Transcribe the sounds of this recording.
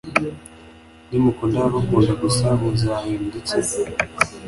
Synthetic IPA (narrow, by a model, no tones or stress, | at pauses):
nimukundaβakuːndakusaβuzahendit͡se